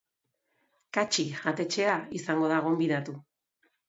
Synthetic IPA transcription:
kat͡ʃiʝat̪e̞t͡ʃe̞aisaŋɡo̞ðaɣo̞mbiðat̪u

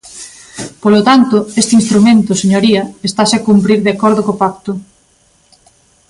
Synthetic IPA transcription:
polot̪ant̪ʊest̪ɪinst̪ɾumẽnt̪ʊseɲoɾiɐest̪asekumpɾiɾðeakɔɾðokopak̚t̪ʊ

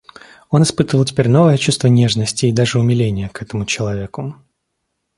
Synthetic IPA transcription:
o̞nɪspɨt̪əvəlˠtʲɪ̥pʲeɾʲno̞vəjət͡ɕust̪vənʲe̞ʐnəsʲtʲɪːd̪aʐɨʊmʲɪlʲenʲɪjəkɛt̪əmʊt͡ɕɪlˠɐvʲe̞kʊ

